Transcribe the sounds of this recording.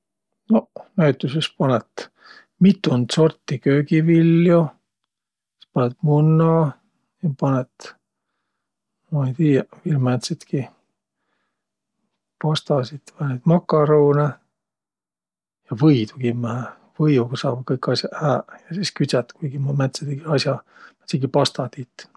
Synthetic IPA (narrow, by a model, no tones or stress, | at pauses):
nonæyt̪ːˑusespɑnɛt̪ | mit̪ːˑund̪̥so̞rt̪ːikøːɡivilːju | ispɑnet̪munːɑː | jɑpɑnet̪ | mɑejt̪iːjɑvirmæt̪sit̪ki | pɑst̪ɑsit̪ɑnet̪mɑkːɑɾowne | jɑvɤjt̪uɡimːæhæ | vɤjuksɑːbkɤjkːɑsjɑæːjɑsiskyt̪sæt̪kujɡ̥immæt̪sed̪eɡiɑsʲjɑ | me̥t̪siɡipɑst̪ɑt̪it̪